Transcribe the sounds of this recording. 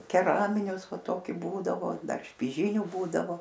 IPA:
kʲɛˈrɑːmʲɪnʲʊs ˈʋɐ ˈtoːkʲɪ ˈbuːdɐʋoː ˈdɐr ʃʲpʲɪˈʒʲiːnʲʊ ˈbuːdɐʋoː

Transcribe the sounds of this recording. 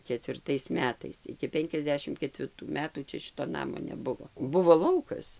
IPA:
kʲɛtʲʋʲɪrˈtɐɪs ˈmʲæːtɐɪs ɪkʲɪ ˈpʲɛŋʲkʲɛzʲˌdʲæːʃʲɪm kʲɛtʲʋʲɪrˈtuː ˈmʲæːtuː ˈt͡ʃʲɛ ˈʃʲɪtoː ˈnɑːmoː nʲɛˈbʊʋoː ˈbʊʋoː ˈlˠɐʊkɐs

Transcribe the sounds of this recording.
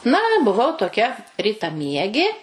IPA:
nɐ bʊˈʋɐʊ toːˈkʲɛ ˌrʲiːtɐˈmʲiɛɡʲeː

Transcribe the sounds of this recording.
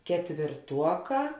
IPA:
kʲɛtʲʋʲɪrˈtuɔˌkɑː

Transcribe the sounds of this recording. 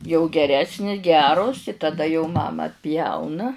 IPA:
jɛʊ ɡʲɛˈrʲæːsʲnʲɪ ˈɡʲæːroːs ɪ tɐˈdɐ jɛʊ ˈmɑːmɐ ɐtʲˈpʲjɛʊnɐ

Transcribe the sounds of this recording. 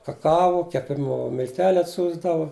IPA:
kɐˈkɑːʋoː kʲɛˈpʲɪmʊ mʲɪlʲˈtʲæːlʲʊ ɐtʲˈsʲuːzdɐʋʊ

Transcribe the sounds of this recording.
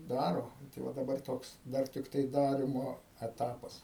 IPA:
ˈdɑːroː ˈnʊ tɐɪ ˈʋɐ dɐˈbɐr ˈtoːks ˈdɐr tʲɪkˈtɐɪ ˈdɑːrʲɪmoː ɛˈtɑːpɐs

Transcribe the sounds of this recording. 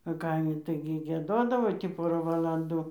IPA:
ɐ ˈkɐɪmʲɪ ˈtɐɪɡʲɪ ɡʲiɛˈdoːdɐʋoː tʲiː ˈpoːrɑː ʋɐlˠɐnˈduː

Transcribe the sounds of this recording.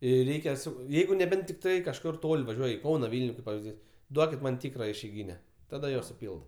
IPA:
jɛɪ ˈrʲɛɪkʲɛ sʊ ˈjɛɪɡʊ nʲɛˈbʲɛnt tʲɪkˈtɐɪ kɐʃˈkʊr ˈtoːlʲ ʋɐˈʒʲuɔj ɪ ˈkɐʊnɐ ˈʋʲiːlʲnʲʊ kɐɪp pɐʋʲɪzʲˈdʲiːs ˈduɔkʲɪt mɐn ˈtʲiːkrɐ ɪʃʲɛɪˈɡʲiːnʲɛ ˈtɑːdɐ joː sʊˈpʲiːlˠdɐ

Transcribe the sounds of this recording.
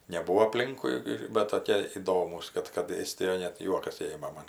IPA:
nʲɛˈbuːʋoː ɐˈpʲlʲɪŋkʊɪ ɪr ˈbʲɛt toːˈkʲiɛ ɪˈdoːmuːs ˈkɐt kɐt ˈeːsʲtʲɪjoːj nʲɛt ˈjuɔkɐs ˈeːmɐ mɐn

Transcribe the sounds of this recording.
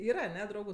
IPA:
ˈiːrɐ ɐˈnʲɛ ˈdrɐʊɡʊ

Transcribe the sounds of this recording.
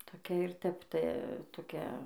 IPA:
toːˈkʲɛ ɪr ˈtʲɛp ˈtɐ toːˈkʲɛ

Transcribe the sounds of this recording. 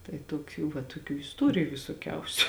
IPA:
tɐɪ toːˈkʲuː ʋɐ toːˈkʲuː ɪsˈtoːrʲɪjʊ ʋʲɪsoːˈkʲɛʊsʲʊ

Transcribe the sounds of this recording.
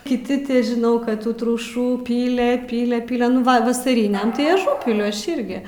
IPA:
kʲɪˈtʲɪ tʲɪ ʒʲɪˈnɐʊ ˈkɐt ˈtuː trʊˈʃuː ˈpʲiːlʲɛ ˈpʲiːlʲɛ ˈpʲiːlʲɛ nʊ ˈʋɐ ʋɐsɐˈrʲɪnʲɛm tɐɪ ɐˈʒuːpʲɪlʲʊ ˈɐʃ ˈɪrʲɡʲɪ

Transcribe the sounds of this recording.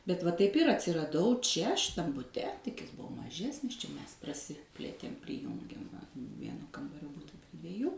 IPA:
bʲɛt ʋɐ tɐɪp ˈɪr ɐtʲsʲɪrɐˈdɐʊ ˈt͡ʃʲɛ ʃʲɪˈtɐm bʊˈtʲɛ tʲɪk ˈjɪs ˈbʊʋoː mɐˈʒʲæːsʲnʲɪs t͡ʃʲɛ ˈmʲɛs prɐˈsʲɪpʲlʲeːtʲeːm pʲrʲɪˈjʊŋʲɡʲeːm ʋɐ ˈʋʲiɛnoː ˈkɐmbɐrʲoː ˈbʊtɐ pʲrʲɪ dʲʋʲiɛˈjuː

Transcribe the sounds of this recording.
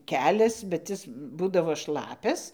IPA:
ˈkʲæːlʲɛs bʲɛt ˈɪs ˈbuːdɐʋoː ˈʃlˠɑːpʲɛs

